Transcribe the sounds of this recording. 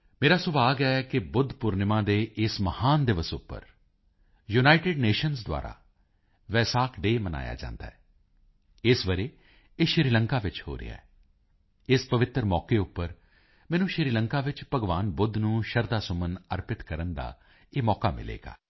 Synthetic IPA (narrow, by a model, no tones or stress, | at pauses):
meːɾaːsʊbaːɡɛːkɪbʊd̪pʊɾnɪmãːd̪eːʔɪsməhaːnd̪ɪʋəsʊpːə̰ɾ | junaːɪʈɪɖneːʃənsd̪wa̰ːɾa̰ː | ʋɛːsaːkʰɖeːməna̰ːja̰ːd͡ʒã̰ːnd̪a̰ːɛː | ɪsʋəɾeː | eːʃɪɾiːləŋkaːʋɪt͡ʃho̰ːɾɪ̰a̰ɛː | ɪspəʋɪt̪ɾmɔːkeːʊpːəɾ | mɛ̃ːnũːʃɪɾiːləŋkaːʋɪt͡ʃpəɡʋaːnbʊd̪nũːʃəɾd̪aːsʊmənə̰ɾpɪt̪kəɾənd̪a̰ː | eːmɔːkaːmɪ̰lḛːɡa̰ː